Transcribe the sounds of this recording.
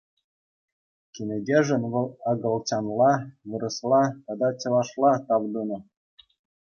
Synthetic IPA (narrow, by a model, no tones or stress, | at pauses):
kʲenʲɘ̆dʲeʐɘ̆nʋɤ̆lˠɑɡɤ̆lˠt͡ɕɑnlˠɑʋɯ̆ɾɤ̆slˠɑt̪ɑd̪ɑt͡ɕɤ̆lˠɑʂlˠɑt̪ɑʋd̪unɤ̆